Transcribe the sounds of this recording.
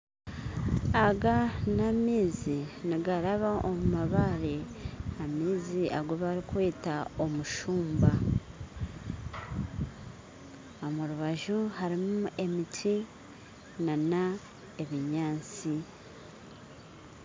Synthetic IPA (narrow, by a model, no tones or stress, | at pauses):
aɡanamiːziniɡaɾaβaʔomumaβaɾeamiːziʔaɡoβaɾikwe̞ːtao̞muʃuːmba | omuɾuβaʒuhaɾimue̞mitwi | nana | e̞βiɲaːt͡si